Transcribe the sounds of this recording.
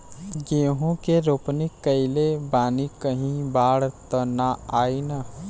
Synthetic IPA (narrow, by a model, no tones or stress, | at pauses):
ɡeːɦũkeɾoːpnɪkːəɪlebaːnikəɦĩbaːɽt̪ənaaːina